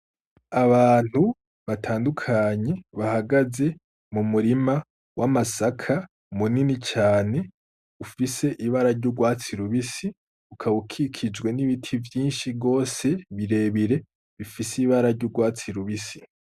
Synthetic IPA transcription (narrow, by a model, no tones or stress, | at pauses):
aβaːn̥hu | βatʰaːndukʰaːɲe̞βahaɡaze̞ | mumuɾima | wʔamasakʰa | muninit͡ʃaːne̞ | ufise̞ʔiβaɾaɾɟuɡwaːt͡siɾuβisi | ukʰaβukʰikʰid͡ʒɡwe̞niβitʰivjiːnʃiɡo̞ːse̞βiɾe̞ːβiɾe̞ | βifisiβaɾaɾɟuɡwaːt͡siɾuβisi